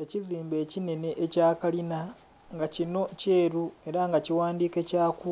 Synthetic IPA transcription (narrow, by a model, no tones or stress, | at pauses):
eciziːmbe̞ːcine̞ne̞ʔːcaːkalina | ŋɡacino̞ce̞ːɾue̞ɾaŋɡaciwaːndiːke̞caːku